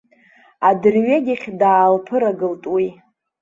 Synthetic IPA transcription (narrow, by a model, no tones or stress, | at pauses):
adɨrɥeɡʲaχʲdaːlpʰɨɾaɡɨltʼwi